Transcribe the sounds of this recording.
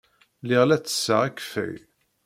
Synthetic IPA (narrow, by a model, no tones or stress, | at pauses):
lɪʁlæt͡sːə̥sːəʁækːfæ̰j